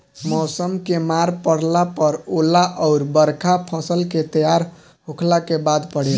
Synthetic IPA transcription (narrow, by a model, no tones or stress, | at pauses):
mɔːsəmkemaɾpəɽlapəɾolaʔɔʊɾbəɾkʰapʰə̃səlket̪əjaɾ | ɦokʰlakebad̪pəɽel